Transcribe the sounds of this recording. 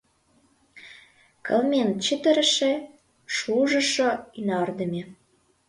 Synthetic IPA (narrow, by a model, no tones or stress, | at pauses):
kə̰lmʲen̚t͡ɕət̪ə̆ɾə̆ʃĕ | ʃuʒə̆ʃoynɑrd̪ə̆mʲe